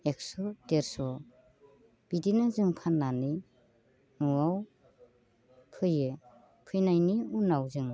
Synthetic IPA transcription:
ek̚sɔdeɾsɔ | b̥idinazɯŋpʰanːani | nuaw | pʰɯjɯ | pʰɯjnajniunawzɯŋ

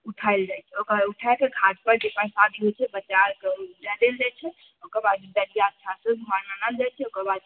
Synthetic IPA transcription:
uʈʰaɪld͡ʒajt͡ʃʰɛokuʈʰakeɡʱat̪̚pəɾd͡ʒepaĩsad̪ʱiɦojt͡ʃʰɛbət͡ʃaɾkeɾɛd̪eld͡ʒajt͡ʃʰɛ | okəɾbad̪̚id̪əɾijaətːt͡ʃʰasəbʱmananald͡ʒajt͡ʃʰɛokəɾbad̪̚

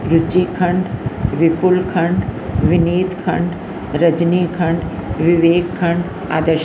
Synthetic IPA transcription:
ɾʊt͡ʃiːkʰɐɳɖʋɪpʊlkʰɐɳɖʋɪniːt̪kʰɐ̰̃ɳɖ | ɾɐd͡ʒniːkʰɐɳɖʋɪʋeːkkʰɐɳɖ | a̰ːd̪əʃ

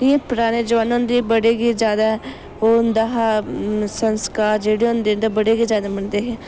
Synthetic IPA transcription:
ipʊɾaːneːd͡ʒʋaːnõnd̪iːbəɽeːɡiːzjaːd̪aːɦɛ | ond̪aːɦasənskaːɾd͡ʒeːɽeːʊnd̪eːnd̪abəɽeːɡiːzjaːd̪aːməɳd̪eːɦɛː

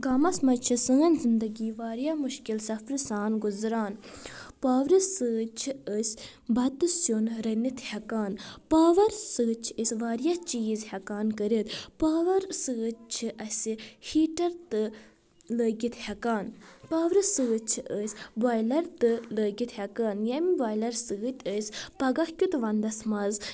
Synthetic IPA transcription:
ɡaːmɐsmɐt͡ʃʰisəːnzind̪ɐɡiːʋaːɾjaːmuʃkilsɐfɾɨsaːnɡuzɾaːnpaːʋɾɨsɨːt͡ʃʰiəsʲ | bɐt̪ɨsjonɾɐnit̪hɐkaːnpaːʋɐɾsɨːt͡ʃʰəsʲʋaːɾjaːt͡ʃiːzhɐkaːnkəɾit̪paːʋɐɾsɨt͡ʃʰiʔɐsʲihiːʈɐɾt̪ɨ | ləːɡʲit̪hʲɐkaːnpaːʋɾɨsɨːt͡ʃʰiʔəsʲbaːjlɐɾt̪ɨləːɡit̪hʲɐkaːnjɐmiʋaːjlɐɾsɨɨt̪ʲəsʲpɐɡɐhkʲut̪ʋɐnd̪ɐsmɐz

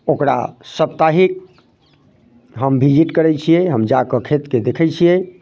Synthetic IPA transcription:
okɾa̰səp̚t̪aɦik̚ | ɦəmbʱid͡ʒiʈkəɾɛt͡ʃʰijɛɦəmd͡ʒakəkʰet̪ked̪ekʰɛt͡ʃʰijɛ

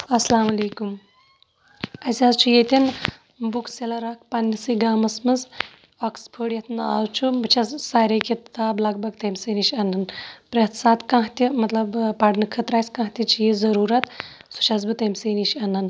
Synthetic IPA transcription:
ɐslaːmɐleːkum | ɐsʲazt͡ʃʰujet̪ʲin | bukʰselɐɾakʰpɐnːisiɡaːmɐsmɨz | okspʰəːɽjɐt̪ʰnaːwt͡ʃʰubɨt͡ʃʰɐssaːɾʲekit̪aːblɐɡ̚bɐɡt̪ɐmʲseniʃɐnɐnpɾet̪ʰsaːt̪kãɦt̪ʲimɐt̪lɐbpɐɖnɨkʰɐt̪ɾaːsʲkãːɦt̪ʲit͡ʃʰijizɐɾuːɾɐt̪su̥t͡ʃʰɐz̬bɨt̪ɐmʲseːniʃɐnɐn

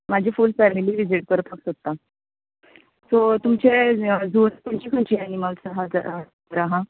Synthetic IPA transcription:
mad͡ʑʱiːfuːlfæmiliːʋid͡ziʈ̚kəɾpʰəksot̪ːa | sot̪umt͡ɕed͡zoɾt̪amt͡ɕiːkʰəɳt͡ɕianimalt͡səɦad͡za | əɾaɦã

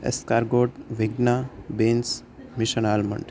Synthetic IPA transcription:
ḛskaɾɡoʈʋiɡnabens | miʃənalmə̰ɳɖ

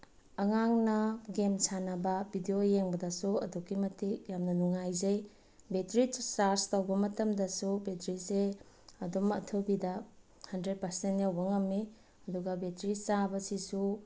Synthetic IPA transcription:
ɐŋaŋnɐɡemsanɐbɐbidiojeŋbɐdɐsuɐ̰dukːimɐtikjamnɐnuŋajzɐj | betɾisaɾstɐwbɐmɐtɐmdɐsubetɾise | ɐdumɐ̰tʰɯbidɐ | hɐndɾed̚pɐɾsentjawbɐŋɐmːi | ɐduɡɐbetɾisabɐsisu

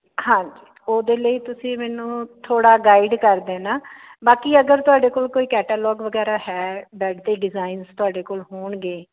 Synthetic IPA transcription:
hãːɲd͡ʒiː | oːd̪eːləiːt̪ʊsĩːmɛːnũːt̪ʰoːɽaːɡaːiɖkəɾd̪eːnaː | baːkiːəɡəɾt̪ʊaːɖeːkoːlkoːiːkɛːʈaːlɔːɡʋəɡɛːɾaːhɛːbɛːɖd̪eːɖɪzaːɪnzt̪ʊaːɖeːkoːlɦoːɳɡeː

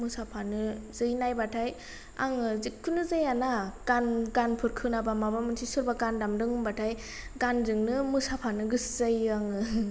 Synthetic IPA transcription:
mɯsapʰanɯzɯjnajbatʰaj | a̰ŋɯzikʰːunɯzɯjanaɡ̥anɡanpʰɯɾkʰɯnabamabamɯntʰisuɾbaɡandamdɯŋɯmbatʰaj | ɡanzɯŋnɯmusapʰanɯɡɯsz̥ajaŋɯ

